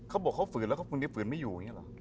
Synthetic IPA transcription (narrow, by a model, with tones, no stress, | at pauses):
kʰa˦˥wbɔː˨˩kʰːa˥wfɯː˨˩nlɛː˦˥kʰa˥˩u˧ni˦˥˩fɯː˨˩˦nma˥˩jːuː˨˩˨ŋi˦˥˩la̰˨˩ʔ